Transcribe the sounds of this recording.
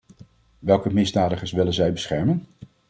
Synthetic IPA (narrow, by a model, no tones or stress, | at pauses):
ʋɛlˠkəmɪzdaːdəχəɹsʋɪlənzɛjbəsχɛɹmən